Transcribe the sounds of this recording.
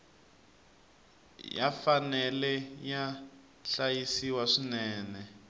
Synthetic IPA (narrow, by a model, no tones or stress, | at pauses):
ja̰fanɛlɛja | ɬajisiwaʂinɛːnɛ